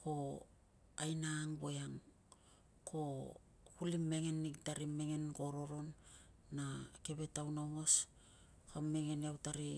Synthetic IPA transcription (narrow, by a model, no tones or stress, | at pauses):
ko̞ | ajnaːŋbo̞jaŋ | kʰo̞ | kulimːe̞ŋe̞nːiɡtaɾime̞ŋe̞nko̞ɾo̞ɾo̞nː | ake̞be̞tawnawŋos | kamːe̞ŋe̞niawtaɾi